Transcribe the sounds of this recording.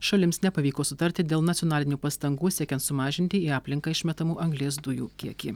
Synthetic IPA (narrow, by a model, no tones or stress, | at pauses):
ʃɐlʲɪmsnʲɛpɐʋʲiːkoːsʊt̪ɐɾʲt̪ʲɪd̪ʲeːlˠnɐt̪ʲɪɔnɑːlʲɪnʲuːpɐst̪ɐŋɡuːsʲiɛkʲɛnt̪sʊmɑːʒʲɪnʲt̪ʲɪiːɑːpʲlʲɪŋkɐːɪʃʲmʲɛt̪ɐmuːʔɐŋɡlʲeːsd̪ʊjṵːkʲiɛkʲiː